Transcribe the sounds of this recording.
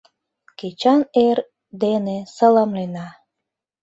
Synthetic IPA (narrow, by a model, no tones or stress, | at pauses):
ket͡ɕɑner | d̪enesɑlɑmlenɑ